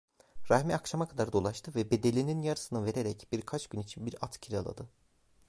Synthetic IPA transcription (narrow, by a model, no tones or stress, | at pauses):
ɾahmɛakʃamakʰad̪aɾd̪o̞lˠaʃt̪ʰɯvɛbe̞d̪e̞lʲininjaɾɯsɯnɯve̞ɾe̞ɾɛcb̥iɾkʰat͡ʃɟ̥ynit͡ʃʰinbiɾat̪cʰiɾʲa̰lˠa̰d̪ɯ